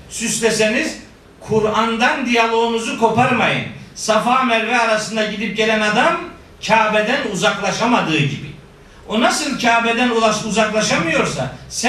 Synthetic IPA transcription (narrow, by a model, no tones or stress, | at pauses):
syslʲese̞niz | kʰuɾand̪and̪ijalˠo̞unuzukʰo̞paɾmajɯ̰nsafaːmɛɾvɛaɾasɯnd̪aɟid̪ip̚ɟelʲænad̪am | cʰaːbed̪ænuzaklˠaʃamad̪ɯːɟibḭ | onasɯlˠcʰaːbed̪ænˠauzaklˠaʃamɯjo̞ɾsa̰sæ